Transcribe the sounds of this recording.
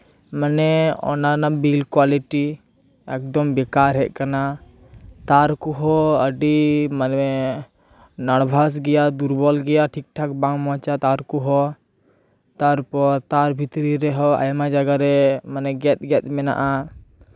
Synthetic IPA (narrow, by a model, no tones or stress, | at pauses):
manɛɔ̰nanabilkwaliʈi | ɛk̚d̪ɔmbɛkaɾɦɛʔkana | t̪aɾkuɦɔəɖimanɛ | naɽbʱas̬ɡɛjad̪uɾbɔlɡɛjaʈʰik̚ʈʰak̚bãŋmɔ̃t͡ʃat̪aɾkuɦɔ | t̪aɾpɔɾt̪aɾbʱit̪ɾiɾɛɦɔa̰jmad͡ʒaɡaɾɛmanɛɡɛt̪̚ɡɛmɛna̰ʔa